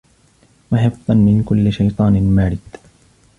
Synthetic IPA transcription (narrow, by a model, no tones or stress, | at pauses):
maħɪfðˤɑnmɪnkʊlːɪʃajt̪ˤɑːnɪlmaːɾɪd̪̥